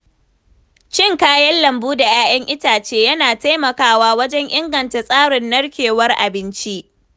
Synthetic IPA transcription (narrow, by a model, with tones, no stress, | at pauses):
t͡ʃɪ˦˨ŋkaː˦jɐ˦nlɐ˨mbuː˦da˨jaː˦j̰ɐ˦ŋʔɪ˦taː˨t͡ʃeː˦jɐ˦naː˨ta˦jmɐ˨kaː˦waː˦wɐ˦d͡ʒɛ˦ŋʔɪ˦ŋɡɐ˨nta˨sʼaː˦ɽɪ˨nːɐ˦ɽkʲeː˨wɐ˦rʔa˨bɪ˦nt͡ʃi˦ʔ